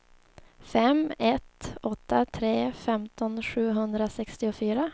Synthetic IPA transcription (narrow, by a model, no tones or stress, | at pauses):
fɛmɛt̪ɔt̪ːat̪ʰɾeːfɛmt̪ɔnɧʉ̟ːɦɵnd̪ɾasɛkst̪ɪʊfyːɾa